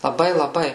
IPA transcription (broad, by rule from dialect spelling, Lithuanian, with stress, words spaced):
lˠɐˈbɐɪ lˠɐˈbɐɪ